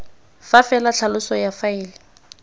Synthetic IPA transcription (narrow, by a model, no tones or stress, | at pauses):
fafɛlat͡ɬʰalʊsɔjafaɪːlɪ